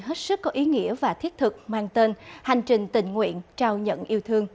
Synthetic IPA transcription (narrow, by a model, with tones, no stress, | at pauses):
ɦe˦˥t̚sɨ˦˥kːɔ˨˦ʔi˨˦ŋḭ˧˥əvaː˨˩t̪ʰi˦˥ət̚t̪ʰɨ˨˩k̚mwaː˧nt̪e˧nha˨˩jŋ̟t͡ɕï˨˩ŋ̟t̪ï˨˩ŋ̟ŋwḭ˧˨ənt͡ɕaː˧wɲə̰˧˨nʔi˧əwt̪ʰɨ˧əŋ